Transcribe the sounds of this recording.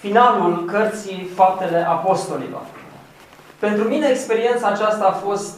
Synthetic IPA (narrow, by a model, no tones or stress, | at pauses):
finalulkərt̪sifap̚t̪e̞le̞ʔapo̞st̪o̞lḭlo̞̰r | pe̞nt̪ɾumine̞ːkspe̞ɾie̞nt̪saːt͡ʃast̪aːfo̞st̪